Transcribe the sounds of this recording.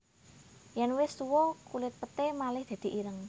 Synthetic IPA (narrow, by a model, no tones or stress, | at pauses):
jɛnwɪst̪uwɔkulɪt̪̚pət̪emalɪhd̪̥a̤d̪̥i̤ʔiɾəŋ